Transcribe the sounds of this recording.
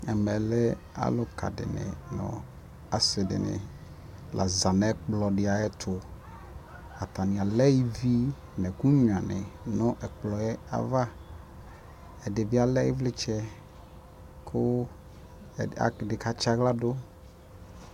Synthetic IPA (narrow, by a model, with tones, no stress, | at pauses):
ɛ˨mɛ˨lɛ˦ | a̰˦lʊ˦ka̰˨dɪ̰˨nɪ̰˨nʊ̰̃˨ | a˨sɪ˨dɪ̰˨nɪ̰˨ | lʔa̰˨za˨nɛ˦k͡plɔ˨dɪ˨a˨jɛ˦t̪ʰʊ˨ | a˨t̪a˨nɪ̃˨a˨lɛ˦ji˦vi˦ | nɛ˨ku˦ɲ˨ã˨nɪ̰˨nʊ̃˦ʔɛ˨k͡plɔ˨jɛ˦a̰˨va˦ | ɛ˨dɪ˨vi˦a˨lɛ˦ji˦vlɪ˦t͡ʃɛ˦ | kʰʊ˦˨ | a̰˨dɪ˨ka˨t͡ʃa˦ɣla˦dʊ˦